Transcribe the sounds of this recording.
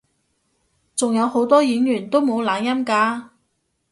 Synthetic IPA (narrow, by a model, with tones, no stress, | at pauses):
t͡sʊ˨ŋjɐ˨˧who˨˥wt̪ɔː˥jiː˨˥njyː˨˩nt̪o˥wmo˨˧wlaː˨˧njɐ˥mkaː˧